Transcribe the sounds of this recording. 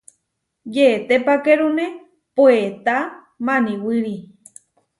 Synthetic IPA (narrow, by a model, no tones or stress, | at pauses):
jeːt̪epakeɾunẽ | poet̪a | mãnĩwɨɾi